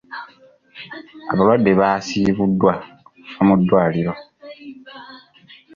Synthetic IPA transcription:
a̰βalwadːe̞βaːsiβudːwaomudːwaːliɾo̞

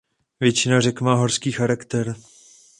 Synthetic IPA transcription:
vjɛt͡ʃɪnarɛkmaːɦorskiːxaɾakt̪ɛɾ

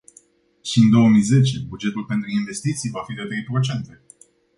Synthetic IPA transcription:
ʃiɨnd̪o̞woəmijze̞t͡ʃe̞bud͡ʒe̞t̪ulpent̪ɾuinve̞st̪it̪sijvafid̪et̪ɾe̞jpɾo̞t͡ʃe̞nt̪e̞

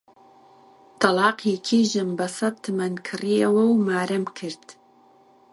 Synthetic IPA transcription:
t̪ɑlɑːqeːkʰiːʒɨmbɐsɐt̪ʰːɨmɐnkʰɨrijɛwɐwmaːɾɨmkʰɨɾd̪̥

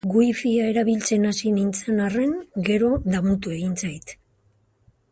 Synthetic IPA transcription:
ɡujfiae̞ɾaβilt͡se̞nasinint͡senare̞ŋɡe̞ɾo̞ðamut̪ue̞ɣint͡sajt̪

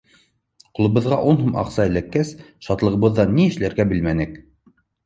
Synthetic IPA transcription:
qŭlˠɤ̆βɤ̆ðʁɑʔunɦumʔɑ̰qsɑɘ̆lækːæsʃɑt̪lˠɤ̆ʁɤ̆βɤ̆ðːɑnːiɘ̆ʃlæɾɡæbɘlmænɘk

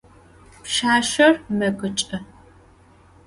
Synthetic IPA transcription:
pʃaːʃɐrmɐɡʷɨt͡ʃʼɐ

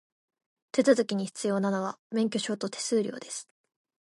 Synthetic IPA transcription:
t̪e̞t͡sɨzɨkʲiɲ̟içi̥t͡sɨjo̞ːnano̞βamẽ̞ŋk̬ʲo̞ɕo̞ːt̪o̞t̪ʰe̞̥sɨːɾʲo̞̰ːd̪e̞sɨ̥

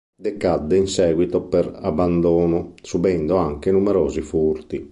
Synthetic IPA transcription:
d̪ɛkad̪ːɛinsɛːɡwit̪ɔpɛɾabːand̪ɔːnɔsubɛnd̪oaŋkenumɛɾɔːzifuɾt̪i

